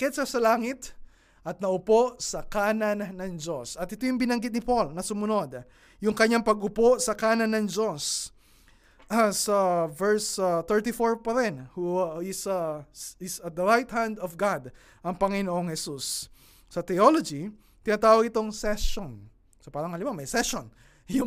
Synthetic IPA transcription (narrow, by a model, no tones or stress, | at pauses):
kɛt̪sɐsɐlaːŋɪt̪ | ʔɐt̪̚nɐʔʊpo̞ʔsɐkaːnɐnːɐŋd͡ʒo̞sɐt̪ʔɪt̪ojʊŋbɪnɐŋɡɪt̪nɪpolnɐsʊmʊno̞d̪ | jʊŋkɐɲːaŋpɐɡʊpo̞sɐkaːnɐnːɐŋd͡ʒo̞s | sɐvɛɹst̪ɛɹt̪ifoɹpɐɾɛnhuɪsɐɪsɐt̪̚d̪ɐɹajt̪̚hand̪ɔvɡad̪ | ʔɐŋpɐŋɪnoʔoŋhɛsusː | ɐt̪ɛolod͡ʒi | t̪ɪnaːt̪aːwɐɡɪt̪o̞ŋsɛʃon | sɐpaːɾɐŋhɐlɪmamɐjsɛʃon | jʊ